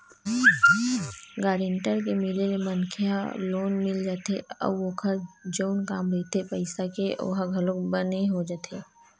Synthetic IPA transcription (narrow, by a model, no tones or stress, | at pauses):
ɡaːɾeɳʈəɾkemɪlelemənkʰɪja̰loːnmɪld͡ʒaːt̪eɔ̰bʋokʰəɾd͡ʒoːnkaːmɾeːt̪ʰepəɪsakeʔo̰ɦaɡʱɐlokbəneɦod͡ʒaːt̪ʰeː